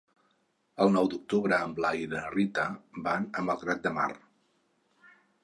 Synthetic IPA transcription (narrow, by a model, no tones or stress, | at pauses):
əlˠnɔwd̪uk̚t̪uβɾəːmblajðərit̪əbanəməlˠɣɾat̪̚d̪əma̰r